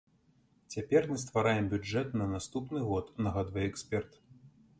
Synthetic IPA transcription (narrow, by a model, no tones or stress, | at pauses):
t͡sʲapʲɛrmɨst̪vaɾajɛmbʲuɛt̪nɐnast̪upnɨɣɔt̪nɐɣad̪vɐjɛɛksʲpʲɛrt̪